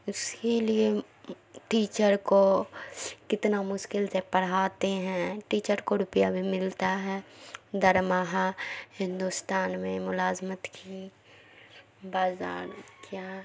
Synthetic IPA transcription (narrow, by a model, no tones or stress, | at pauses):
ʊskelie | ʈiːt͡ʃəɾko | kɪt̪namʊʃkɪlsepɐɽ̤aːt̪eɦɛ̃ʈiːt͡ʃəɾkoɾʊpjabʱimɪlt̪aɦɛːd̪ʱəɾmaɦahɪ̃nd̪ust̪aːnmẽmʊlaːzmət̪kʰi | baːza̰ːɾkjaː